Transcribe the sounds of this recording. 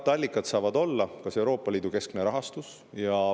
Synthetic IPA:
t̪ːˑɑlʲːikːˑɑt̪sɑːvɑd̪o̞lːɑkɑse̞wɾo̞ːpːˑɑliːd̪uke̞skne̞ɾɑɦɑst̪us | jɑ

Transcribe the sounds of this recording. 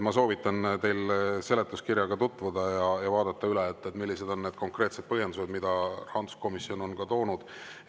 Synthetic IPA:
mɑs̬o̞ːvit̪ːˑɑnt̪e̞jlse̞let̪ːˑuskiɾjɑɡ̥ɑt̪ut̪ːˑvud̪̥ɑjɑjɑvɑːd̪ɑt̪ːɑylet̪ːˑet̪ːˑmilːise̞d̪o̞nnːe̞ːd̪̥̚ko̞ŋkre̞ːt̪sed̪̚pɤɦje̞nd̪use̞d̪mid̪̥ɑrɑnd̪u̥sko̞misio̞no̞nkɑt̪o̞ːnud̪̥

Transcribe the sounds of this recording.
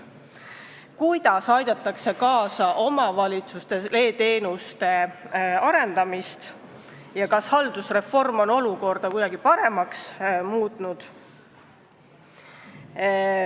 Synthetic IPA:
kujd̪̥ɑsɑjd̪̥ɑt̪ːˑɑkse̞kɑːsɑʔo̞mɑvɑlʲit̪sust̪e̞le̞ːt̪e̞ːnust̪e̞ɑɾe̞nd̪̥ɑmist̪ | jɑkɑshɑld̪̥usre̞fo̞rmo̞no̞luko̞rd̪̥ɑkujd̪̥ɑɡipɑɾe̞mɑksmuːt̪ˑnud̪̥

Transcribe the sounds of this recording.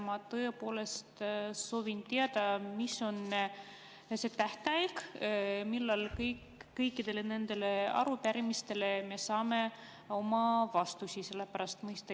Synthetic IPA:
mɑt̪ɤ̞epo̞ːle̞st̪so̞ːvint̪eɑd̪̥ɑmiso̞n | se̞t̪æht̪eɑjkmilːɑlkɤjkː | ɤjkːˑid̪e̞le̞ne̞nd̪̥e̞le̞ɑ̰ɾupæɾimist̪e̞le̞me̞sɑːme̞ | o̞mɑvɑst̪usʲise̞lːe̞pæɾɑst̪mɤjst̪ɑ

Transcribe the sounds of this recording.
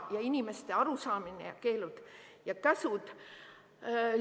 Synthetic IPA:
jɑinʲime̞st̪e̞ɑɾusɑːminḛjɑ̰ke̞ːlud̪̥jɑkæsud̪̥

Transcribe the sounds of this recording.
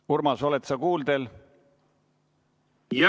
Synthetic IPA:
urmɑso̞let̪sɑkuːld̪e̞l

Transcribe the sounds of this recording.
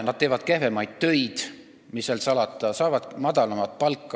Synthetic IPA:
nɑd̪̥̚t̪eːvɑd̪̥̚kehvemɑjd̪̥̚t̪ø̞jd̪̥ | misːelsɑlɑt̪ˑːɑsɑːvɑd̪̥mɑd̪̥ɑlɑmɑt̪̚ˑpɑlkːˑɑ

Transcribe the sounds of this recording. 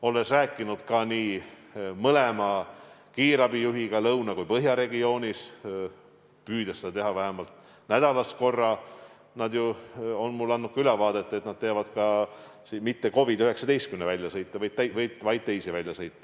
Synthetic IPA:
o̞lːesræːkːˑinud̪̥kɑniː | mɤlemɑkiːɾɑbijuɦiɡ̥ɑlɤwnɑkujpɤɦjɑɾe̞ɡio̞ːnʲis | pyːd̪̥ɑsed̪̥ɑt̪eɦɑvæɦemɑlt̪ | næd̪̥ɑlɑsko̞rːɑ | nɑd̪juo̞nmulːɑnːut̪̚kylɑvɑːd̪et̪ːˑe̞t̪nɑd̪̥̚t̪eɑvɑd̪kɑ | simit̪ːe̞ko̞vid̪yɦe̞ksɑd̪ejst̪̚kymnevælʲːjɑsɤjt̪ːˑɑvɑjd̪̚t̪æjvɤjd̪vɑj̪̚t̪e̞jsivælʲjɑsɤjt̪ˑːɑ̥

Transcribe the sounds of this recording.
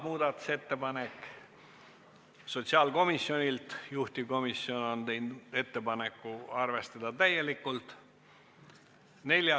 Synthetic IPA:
muːd̪̥ɑt̪ːu̥se̞t̪ːe̞pɑne̞kːˑ | so̞t̪ʲsiɑːlko̞misːjo̞nʲilt̪juht̪iko̞misːio̞no̞nt̪ejnd̪e̞t̪ːe̞pɑne̞kːˑuɑrve̞st̪ɑd̪̥ɑt̪æjːe̞likːˑult̪ˑ | ne̞ljɑ

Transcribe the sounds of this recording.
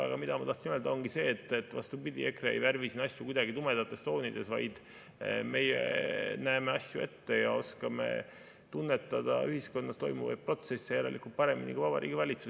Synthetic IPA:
ɑ̰ɡ̥ɑmid̪̥ɑmɑt̪ɑht̪sinøld̪ɑonɡ̥ise̞ːet̪ːˑet̪ːˑvɑ̰st̪ubid̪ʲie̞kreejværvisinɑsʲjukujd̪ɑɡit̪umed̪ɑt̪ːˑe̞st̪o̞ːnid̪̥e̞svɑ̰jd̪̥ | me̞jḛnæemeɑsʲjue̞t̪ːe̞jɑo̞skɑme̞̰ | t̪unːet̪ːˑɑd̪̥ɑ̰yɦisko̞nːɑst̪o̞jmuvɑ̰jd̪̚pro̞t̪se̞sːejæɾelikːˑult̪̚pɑɾe̞minʲḭkuvɑbɑ̰ɾḭːɡ̥ivɑlʲit̪su

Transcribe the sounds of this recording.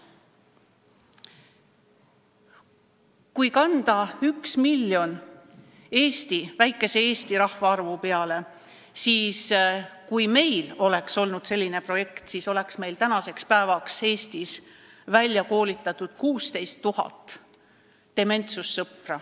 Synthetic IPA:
kujkɑnd̪̥ɑyksmilʲːjo̞n | e̞ːst̪ivæjkːˑe̞se̞eːst̪iɾɑhvɑɑrvupe̞ɑle̞ | siːskujme̞jlo̞le̞kso̞lnud̪̥se̞lʲːine̞pro̞je̞kt̪siso̞le̞ksme̞jlt̪ænɑse̞kspæevɑkse̞ːst̪is | vælʲjɑko̞ːlit̪ːˑɑt̪ːud̪̥kuːst̪e̞jst̪ːuɦɑ̰t̪ˑː | e̞me̞nt̪susːɤprɑ

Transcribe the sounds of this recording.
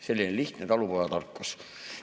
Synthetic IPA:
selʲːineliht̪net̪ɑlupojɑt̪ɑrkːos

